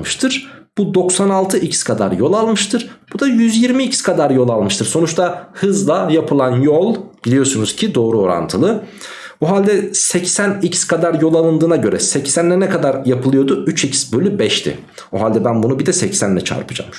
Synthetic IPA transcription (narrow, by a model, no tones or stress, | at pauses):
mɯʃt̪ʰɯɾ̥b̥ud̪o̞ksanalˠt̪ʰɯʔicʰskʰad̪aɾjo̞lˠalˠmɯʃt̪ʰɯɾ̥b̥ud̪ajyzjiɾmiːcskʰad̪aɾjo̞lˠalˠmɯʃt̪ʰɯɾso̞nut͡ʃt̪ʰahɯzlˠajapʰɯlˠanjo̞lˠb̥ilʲijo̞sunuz̥cʰid̪o̞ːɾuo̞ɾa̰nt̪ʰɯlˠɯ | oɦalʲd̪ɛsɛcsænicskʰad̪aɾjo̞lˠalˠɯnd̪ɯːnaɟø̞ɾɛ̰sɛcsænlʲɛnɛkʰad̪aɾjapʰɯlˠɯjo̞d̪uyt͡ʃicsbø̞lʲybɛʃt̪ʰɪ̰ | oɦalʲd̪ɛbænbunubid̪ɛsɛcsænlːʲɛt͡ʃʰa̰ɾpʰɯd͡ʒa̰m